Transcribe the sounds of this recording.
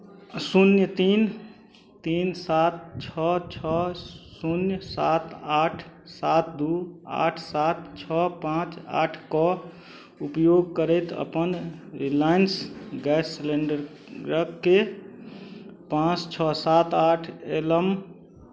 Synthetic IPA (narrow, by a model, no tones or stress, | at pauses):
sunjət̪in | t̪insat̪̚t͡ʃʰɔt͡ʃʰɔsunjsat̪aʈʰsat̪d̪ua̰ʈʰsat̪̚t͡ʃʰɔpãt͡ʃa̰ːʈʰkɔ | upjoɡ̚kəɾət̪ə̰pənɾilaɪnsɡɛsːleɳɖəɾ | ɾəkːe | pãt͡ʃt͡ʃʰɔsat̪aːʈʰeləm